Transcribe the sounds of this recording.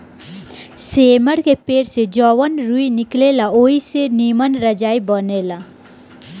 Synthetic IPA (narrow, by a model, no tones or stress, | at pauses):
seːməɽkepeːɽsed͡ʒɔʋənɾuinɪkleːlaoːiseniːmənɾəd͡ʒaːibəneːla